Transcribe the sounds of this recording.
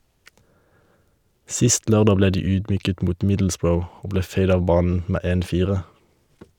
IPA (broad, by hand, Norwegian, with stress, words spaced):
ˈsɪst ˈløːʁˌdɑː ˈbleː ˈdiː ˈyːdˌmyːkət ˈmuːt ˈmɪdl̩sˌbɹəʊ ˈoː ˈbleː ˈfæɪd ˈɑːʋ ˈbɑːnn̩ ˈmeː ˈeːn ˈfiːʁə